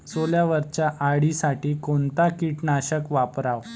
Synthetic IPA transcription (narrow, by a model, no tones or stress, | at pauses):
soljaʋəɾt͡ɕaʔaɽisaʈiːkont̪akiʈnaɕəkʋapɾaʋ